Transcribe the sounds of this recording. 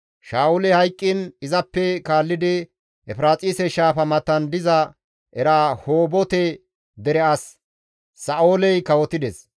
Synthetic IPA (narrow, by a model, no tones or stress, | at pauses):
ʃaːʊlɛhɐjkʼːɪnɪzɐpːɛkaːlːɪd̪ɪ | ɛfɾaːt͡sʼiːsɛʃaːfɐmɐt̪ːɐnd̪ɪzɐ | ʔɛɾaːhoːbɔt̪ɛ | d̪ɛɾɛɐs | sɐʔoːlɛjkɐwɔt̪ɪd̪ɛs